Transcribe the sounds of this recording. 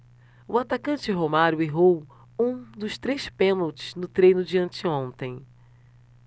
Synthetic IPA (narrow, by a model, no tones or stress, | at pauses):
ʊat̪akɐ̃t͡ʃɪɦomaɾʊeɦow | ũd̪ʊʃt̪ɾespẽnowt͡ʃɪ̥znʊt̪ɾejnʊd͡ʒiɐ̃nt͡ʃɪõnt̪ẽj̃